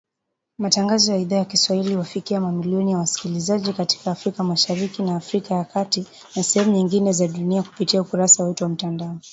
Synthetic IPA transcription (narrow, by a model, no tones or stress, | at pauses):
mataŋɡazɔjaiðaːjakiswahiliwafikiamamiliɔnijawasi̥kilizaʄikati̥kaːfɾikamaʃaɾikinaːfɾikajakati | nasɛhɛmuɲiŋɡinɛzaɗuniaku̥pitiaukuɾasawɛtuwam̩tandaɔ